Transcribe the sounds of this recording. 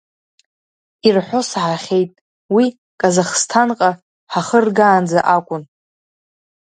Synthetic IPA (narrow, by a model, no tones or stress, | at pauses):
irħʷo̞sħaχʲe̞jtʼ | wi | kʼazaχstʰanqʼa | ħaχərɡaːnd͡zaʔakʷʼʊn